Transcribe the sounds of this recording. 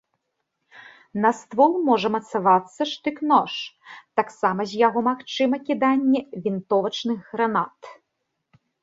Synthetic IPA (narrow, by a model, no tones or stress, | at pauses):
nɐst̪vɔlˠmɔʐɐmɐt̪savat̪sːɐʂt̪ɨknɔʂt̪aksamɐzʲjaɣɔmaxt͡ʂɨmɐkʲid̪anʲːɛvʲint̪ɔvɐt͡ʂnɨxɣɾanat̪